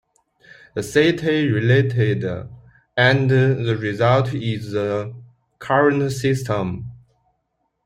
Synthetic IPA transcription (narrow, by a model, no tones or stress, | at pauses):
ðəseɪtʰeɹileɪtʰɪd | ə̃nðəɹizaltʰɪzðə | kʰaɹə̃nsɪstə̃m